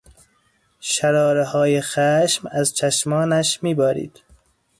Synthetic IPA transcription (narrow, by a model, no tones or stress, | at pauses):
ʃæɾɒːɾehɒːjexæʃmæzt͡ʃʰæʃmɒːnæʃmiːbæːɾḭːd̪̥